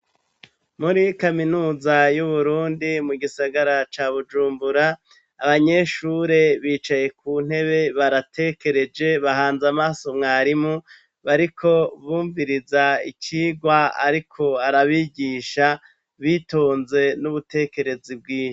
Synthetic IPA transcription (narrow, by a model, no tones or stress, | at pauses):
muɾikaminuːzajuβuɾuːndimuɡisaɡaɾat͡ʃaːβud͡ʒuːmbuɾaː | βaɲe̞ʃuːɾe̞βiːt͡ʃaje̞kʰuːn̥he̞βe̞βaɾatʰe̞ke̞ɾe̞d͡ʒe̞βaɦaːnzamaːso̞mŋaːɾimu | βaɾikʰo̞βuːɱviɾizaḭciːɡwaa̰ɾikʰo̞aɾaβiɟiːʃa | βitoːnze̞nuβute̞ke̞ɾe̞zib̚ɡiːʃo